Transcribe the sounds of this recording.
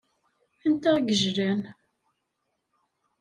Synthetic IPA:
ənt̪æɡəʒɾæn

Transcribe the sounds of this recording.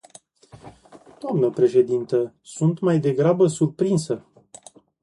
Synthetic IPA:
d̪̥oamnəpɾe̞ʃe̞d̪int̪ə | sunt̪majd̪e̞ɡɾabəsurpɾinsə

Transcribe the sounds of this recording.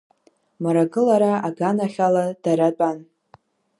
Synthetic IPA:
maɾaɡɨlaɾaaɡanaχʲaladaɾat͡pʼan

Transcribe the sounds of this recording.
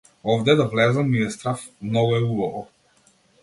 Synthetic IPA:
ɔvd̪ɛd̪avlɛzamiɛst̪ɾafmnɔɡɔɛulˠɔvɔ

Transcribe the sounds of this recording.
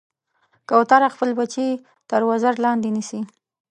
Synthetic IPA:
kawt̪aɾaxpəlbat͡ʃi | t̪əɾwazaɾlɑnd̪enisi

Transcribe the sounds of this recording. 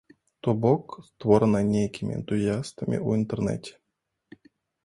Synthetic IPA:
t̪obokst̪voɾnanʲejkʲʰimʲɪ̰ḭɛ̰nt̪ujast̪əmʲḭʔuint̪ɛrnɛ̰tʲe̥

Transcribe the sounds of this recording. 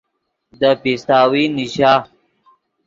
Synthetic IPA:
d̪əpist̪aːwiniɕaː

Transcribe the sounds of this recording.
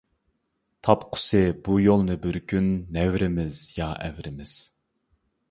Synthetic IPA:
t̪ʰɑpqʰʊ̥sɨbujolˠnɨbyɾkʲynːɛvɾɪmɪzjɑʔɛvɾɪmɪz̥

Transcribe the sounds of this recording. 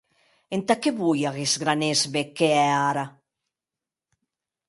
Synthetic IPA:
ent̪akeβujaɣezɡɾanezmekeɛaɾa

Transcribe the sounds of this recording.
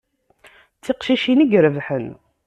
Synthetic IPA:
t͡sːiqʃiʃiniɡɾəvħən

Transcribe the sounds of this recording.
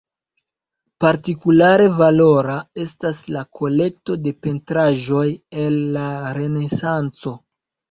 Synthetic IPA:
paɾtikulaɾe̞valo̞ɾae̞staslakʰo̞le̞k̚to̞de̞pe̞ntɾaʒo̞je̞lːaɾe̞ne̞sant͡so̞

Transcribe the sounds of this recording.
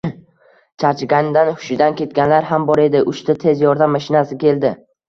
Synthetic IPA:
t͡ʃʰaɾt͡ʃʰɪɡʲanɪd̪anhʊ̥ʃɪd̪ankʲe̞t̪̚ɡʲanlaɾhambɒɾe̞d̪ɪʔʊʃt̪ʰat̪ʰe̞zjɒɾd̪amːaʃɪnasɪkʲʰe̞ld̪ɪ

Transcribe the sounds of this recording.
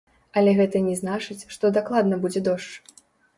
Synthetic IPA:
ɐlʲɛɣɛt̪ɐnʲɛznat͡ʂɨt͡sʲʂt̪ɔd̪aklˠad̪nɐbud͡zʲɛd̪ɔʂt͡ʂ

